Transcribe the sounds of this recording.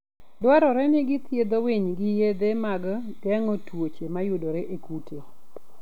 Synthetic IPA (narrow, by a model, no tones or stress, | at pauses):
dwaɾɔɾɛnɪɡɪt̪jed̪oweɲɡɪjed̪emaɡdɛŋɔtwot͡ʃemajʊdoɾeʔekutʰe